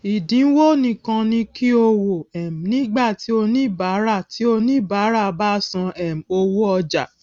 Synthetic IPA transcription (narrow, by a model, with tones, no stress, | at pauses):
i˨dĩ˨˦wo˦nĩ˧kã˧nĩ˧ki˦o˧wo˨ɛ˨m̩˨nĩ˨˦ɡ͡ba˦˨ti˨˦o˧nĩ˦˨ba˨˦ɾa˦˨ti˨˦o˧nĩ˦˨ba˨˦ɾa˦˨˧ba˦sã˧ɛ˨m̩˨o˧wo˦ɔ˧d͡ʒa̰˨